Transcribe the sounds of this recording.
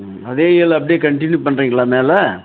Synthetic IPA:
ɐðeːɪɐlɐp̬ːɐɽijeːkɐɳʈɪnjupɐɳːɾiːŋɡɐɭaːmeːlɛ

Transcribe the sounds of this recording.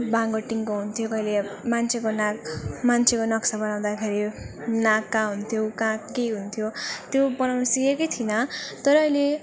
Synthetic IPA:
bãŋɡoʈiŋkoɦunt̪ʰjokʌjlemant͡sʰekonãkmant͡sʰekonʌksabʌnaw̃d̪akʰeɾinãkːãɦunt̪ʰjokãkejɦunt̪ʰjot̪jobʌnawnʌsikekʌjt̪ʰinʌt̪ʌɾʌʌjle

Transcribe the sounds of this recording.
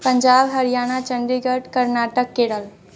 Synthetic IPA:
pɐ̃ɲd͡ʒaːbɦɐɾijaːñat͡ʃə̃ɳɖiɡəʈkɐɾnaːʈəkːeːɽəl

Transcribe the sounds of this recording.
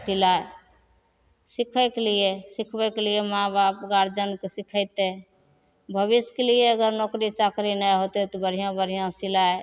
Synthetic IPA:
silae | sikʰəɪkelijesikʰbɛkelijemãbapɡaɾd͡ʒənkesikʰəɪt̪e | bʱəbiskelijeəɡəɾnokɾit͡ʃakɾinəjɦot̪ɛt̪ɔbəɾ̤ijãbəɾ̤ijãsilaj

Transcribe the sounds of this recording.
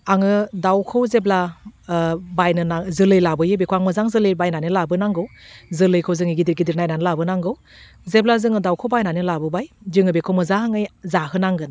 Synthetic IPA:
aŋɯdawkʰɯwzebla | bajnɯnazɯlɯjlabɯjɯbekʰowaŋmɯzaŋzɯlɯjbajnanɯlabɯnaŋɡɯwzɯlɯjkʰɯwzɯŋɯɡidiɾɡidiɾnajnanɯlabɯnaŋɡɯw | zeb̚lazɯŋɯdawkʰɯwbajnanɯlabɯbajd͡ʒɯŋɯbekʰowmɯzaŋɯjzaɦɯnaŋɡɯn

